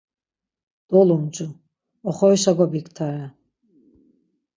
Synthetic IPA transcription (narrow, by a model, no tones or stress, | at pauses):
d̪̥ɔlumd͡ʒʼu | ɔχɔiʃaɡʷɔbikʰt̪ʰaɾa